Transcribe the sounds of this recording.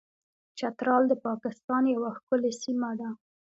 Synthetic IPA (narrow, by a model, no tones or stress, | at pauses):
t͡ʃat̪ɾɑld̪əpɑkɪst̪ɑnjawaxkʊlesimad̪a